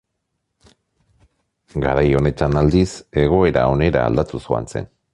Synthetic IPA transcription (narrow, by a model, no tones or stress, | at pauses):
ɡaɾajo̞ne̞t̪anald̪ise̞ɣ̞o̞e̞ɾao̞ne̞ɾa̰ːld̪at̪usua̰nt͡se̞̰n